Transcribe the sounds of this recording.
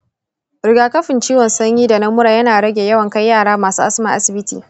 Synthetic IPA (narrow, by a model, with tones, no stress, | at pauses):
ɾɪ˨ɡaː˨kɐ˦ɸɪ˨nt͡ʃiː˦wɔ˨nsɐ˦ɲjiː˦da˨nɐ˦mʊ˦ɾaː˨jɐ˦naː˨ɽɐ˦ɡʲe˨jɐ˦wɐ˨ŋka˦jːaː˦˨ɽaː˦maː˨suː˦ʔa˦sɪ˦mɐ˨ʔa˦sɪ˨bɪ˦tḭː˨